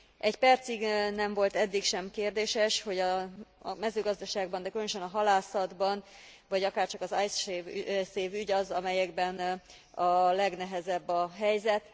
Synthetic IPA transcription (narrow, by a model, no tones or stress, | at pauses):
ʔɛɟpɛrt̪siɡnɛɱvo̞lt̪ɛd̪ːikʃɛmkeːrd̪eːʃɛʃho̞ɟɒ | mɛzøːɡɒzd̪ɒʃaːɡ̚bɒnd̪ɛkylønøʃɛnɒɦɒlaːsɒd̪bɒn | vɒɟɒkaːrt͡ʃɒkɒzajs | seːvyɟɒzɒmɛjɛɡbɛn | ɒlɛɡnɛɦɛzɛbːɒɦɛjzɛt̪